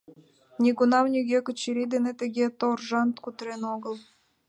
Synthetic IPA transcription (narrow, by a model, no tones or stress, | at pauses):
nʲiɡunɑmnʲyɣʲekə̆t͡ɕiɾʲid̪enet̪ə̆ɣʲet̪orʒɑnt̪kut̪ɾenoɣəlˠ